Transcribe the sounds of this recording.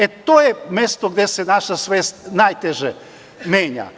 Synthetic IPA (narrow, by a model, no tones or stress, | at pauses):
et̪oːjemest̪oɡd̪esenaʃasʋeːst̪najt̪eʒe | meːɲa̰